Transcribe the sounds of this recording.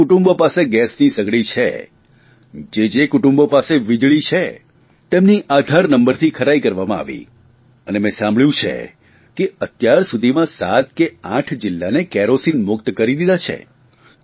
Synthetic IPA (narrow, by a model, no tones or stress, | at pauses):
kʊʈũmbopaseɡɛsnisəɡɭit͡ʃʰḛ | d͡ʒed͡ʒekʊʈũmbopaseʋid͡ʒɭit͡ʃʰe | t̪emniʔad̪ʱaɾnəmbəɾt̪ʰikʰəɾajkəɾʋamãa̰ʋḭ | ənemẽsãmbɭjũt͡ʃʰḛ | keət̪jaɾsud̪ʱimãsat̪keãʈʰd͡ʒɪlːanekɛɾosinmʊkt̪kəɾid̪id̪at͡ʃʰḛ